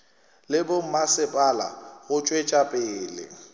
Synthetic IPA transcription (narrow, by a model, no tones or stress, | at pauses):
lɪbʊm̩masɪpʼala̰ɣʊt͡ʃʼwet͡ʃʼapʼɪːlɪ̰